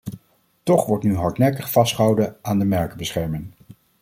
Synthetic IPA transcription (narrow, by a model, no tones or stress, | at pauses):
tɔχʋɔɹtnyɦɑɹtnɛkəχfɑstχəɦʌwdəaːndəmɛɹkəbəsχɛɹmɪŋ